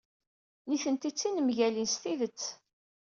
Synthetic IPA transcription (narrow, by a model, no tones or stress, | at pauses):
niθənt̪it͡sːinəmʝælinst̪iðət͡sː